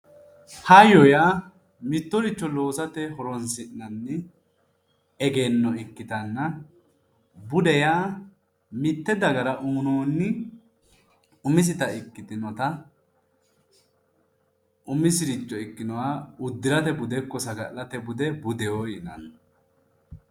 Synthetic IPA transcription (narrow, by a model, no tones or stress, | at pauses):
hɐjɔjaː | mɪt̪ːɔɾɪt͡ʃːɔlo̞ːsɐt̪ɛhɔɾɔnsɪʔnɐnːɪ | ɛɡeːnːɔɪkːɪt̪ɐnːɐ | bʊd̪ɛjaː | mɪt̪ːɛd̪ɐɡɐɾɐʔʊmnoːnːɪ | ʊmɪs̬ɪt̪ɐɪkːɪt̪ɪnɔt̪ɐ | ʔʊmɪsɪɾɪt͡ʃːɔɪkːɪnɔwaʊd̪ːɪɾɐt̪ɛbʊd̪ɛkːɔsɐɡɐ̰ʔlɐt̪ɛbʊd̪ɛbʊd̪ɛwojɪnɐ̰n